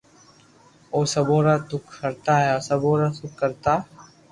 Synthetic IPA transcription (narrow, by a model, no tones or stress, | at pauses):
oːsɐbõːɾat̪ʊkkɐɾt̪aɦɛɔːsɐbõːɾasʊkːɐɾt̪aː